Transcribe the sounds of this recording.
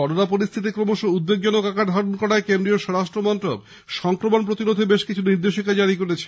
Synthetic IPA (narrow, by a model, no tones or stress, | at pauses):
ɔɾonapoɾist̪ʰit̪̬ikɾomoʃoud̪beɡd͡ʑonokakaɾd̪ʱaɾonkɔɽaekend̪ɾioʃɔɾaʃʈɾomɔnt̪ɾob | ʃɔŋkɾomonpɾot̪inod̪ʱebeʃkit͡ɕʰuniɾd̪eʃikad͡ʑaɾikoɾet͡ɕʰe̥